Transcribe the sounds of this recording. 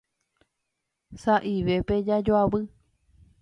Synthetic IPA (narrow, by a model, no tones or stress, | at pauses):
saʔiʋe̞pe̞d͡ʒad͡ʒoaβɨ